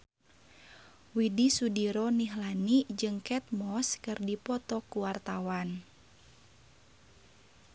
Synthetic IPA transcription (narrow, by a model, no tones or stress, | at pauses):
widisudiɾɔniɦlanid͡ʒɨŋkɛt̪̚mɔskɨrdipɔt̪ɔkuwart̪awan